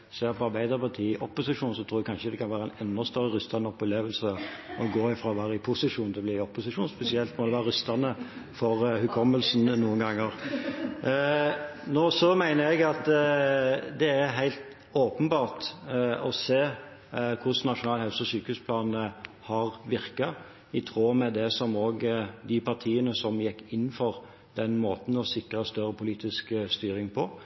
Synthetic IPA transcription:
seːpʰɔɑɾbæɪd̪əɾpɑt̪ʰiːɪʔɔpːʊsɪʂuːnsɔt̪ʰɾuːɾɛkʰɑnʂəd̪ɛkɑnʋæːɾəæɪnɛnːɔst̪œɾːəɾʏst̪ɑnəɔpʊleːʋəlsəɔɡoːɪfɾɑʋæːɾɪpʰʊsɪʂuːnt̪ɛlblɪɪɔpːʊsɪʂuːnspɛsɪɛlt̪mɔd̪ɛʋæːɾəɾʉst̪ɑnəfɔɾhʉkʰɔmːəlsnnuːənɡɑŋːəɾ | noːsɔmæɪnəɾɛɡɑt̪ | d̪ɛæɦæɪlt̪ | oːpənbɑːʁt̪ɔseː | kʰʊsnɑtʂʊnɑːlhɑʉsɔsyːkəhʉːspʰlɑːnə | hɑɾʋɪɾkɑ | ɪt̪ʰʁoːmɛd̪ɛsɔmoːɡd̪ɪpʰɑt̪ʰiːənəsɔmjɛkːɪn̩ːfɔʁ | d̪̥ɛnmoːt̪n̩ɔsɪkʁəst̪œɾəpʰʊliːt̪ɪskst̪yːɾɪŋpʰɔ

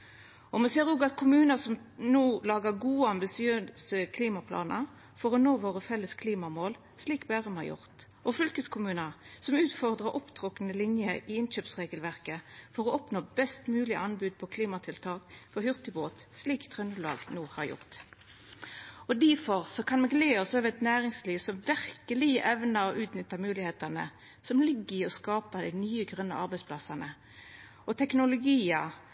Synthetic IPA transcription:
ɔmɛseːʁuːɡɑt̪kʰʊmʉːnəsɔmnuːlɑːɡəʁɡuːəɑmbɪsɪøsəkʰliːmɑpʰlɑ̰ːnə̰ | fɔʁɔnoːʋoːʁəfɛlːəskʰliːmɑmoːl | sliːkbæːʁəmhɑjʊ̰ʁt̪ | ʔɔfʏlkəskʰʊmʉːnəʁsɔmʉːt̪fɔʁd̪ʁəʁʔɔpt̪ʰʁɔknəlɪnjəʔɪɪnɕøːpsʁeːɡəlʋæʁkəfɔʁɔʔɔpnoːbɛst̪mʉːlɪʔɑnbʉːd̪̚pʰɔkʰliːmɑt̪ʰɪlt̪ʰɑːkfɔhʏʁt̪ɪboːt̪sliːkt̪ʰʁœnʉlɑ̰ːɡnuːhɑʁjʊ̰ʁt̪ | ɔd̪æfɔʁsɔkʰɑnmɛɡleːɔsøːʋɛt̪næːʁɪŋsliːʋsɔmʋæʁkəlɪəʔɛʋnəɔʔʉːt̪nʏt̪ːəʁmʉːlɪheːt̪ɑnə̰ | sɔmlɪɡːəʁɪɔskɑːpəd̪æɪnyːəɡʁœnːə̰ʔɑʁbæɪspʰlɑsɑnə | ɔt̪ʰɛknʊlʊɡiːɑ

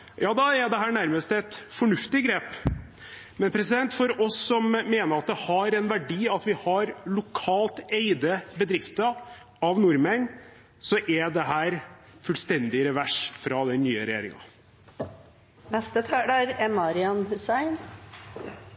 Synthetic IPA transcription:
jɑːd̪ɑɛd̪ɛɦæːɳæɾməst̪ɛt̪fɔɳʉft̪ɪɡɾeːp | mɛnpʰɾɛsɪd̪ɛnt̪fɔɾɔsːɔmmeːnəɾɑt̪̚d̪ɛhɑɾɛnʋæɖiːɑt̪ʋɪhɑɾlʊkʰɑːlt̪eɪd̪əbəd̪ɾɪft̪ə | ɑʋnʊɾmən | sɔʔɛd̪ɛɦæːɾ | fʉlst̪ɛnd̪ɪɾɛʋæʂfɾɑd̪ɛnːyːəɾɛjḛːɾɪ̰ŋɑ̰ | nɛst̪ət̪ʰæːɖɑɾɛmɑɾɪɑnhʉsæɪn

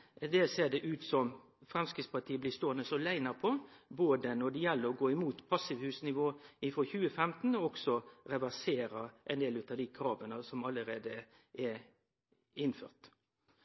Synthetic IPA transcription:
d̪ɛseːɖ̪ɛʔʉːt̪sɔm | fɾɑmskɪspɑʈʰiːəblɪst̪oːənəsɔlæɪnəʁpʰɔboːd̪ənɔɖ̪ɛjɛlːəɾɔɡoːɪmuːt̪pʰɑsɪʋhʉːsnɪʋoːɪfɾɔçʉːəfɛmt̪n̩ɔɔksɔɾɛʋæʁseːɾəʔɛneːlʉːt̪ɑʋd̪ɪkʰɾɑːʋənəsɔmɑləɾeːd̪ə | ʔɛ | ɪnfø̰ːʁt̪

